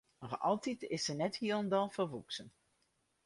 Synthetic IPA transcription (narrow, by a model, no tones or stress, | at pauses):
əχʔɑ̰lˠtitɪsənɛthiələndɑlˠfərʋuksən